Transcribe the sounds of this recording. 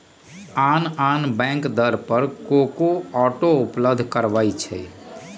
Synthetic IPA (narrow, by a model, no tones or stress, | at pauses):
aːnaːnbɛ̃ːŋkd̪əɾpəɾkoːkoɔːʈoʊpləbd̪ʱkəɾʋait͡ʃʰɛ̰